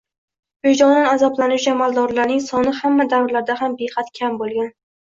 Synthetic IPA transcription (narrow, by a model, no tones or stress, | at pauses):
ojd͡ʒɒnnanazablanʊwt͡ʃamalˠd̪ɒɾlaɾnɪŋsɒnɪhamːad̪awɾlaɾd̪aɦambeqɑt̪kʲʰambolˠɡʲan